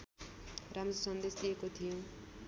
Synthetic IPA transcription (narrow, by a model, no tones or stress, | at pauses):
ramɾʌsʌnd̪esd̪iekot̪ʰijũ